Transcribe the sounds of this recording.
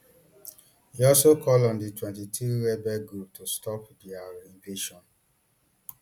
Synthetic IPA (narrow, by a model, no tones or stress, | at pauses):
hiɔlsokʰɔlɔ̃nditwɛ̃ntitʰuɾɛbɛɡɹup̚tustɔpdiaĩɱbeʃɔ̃n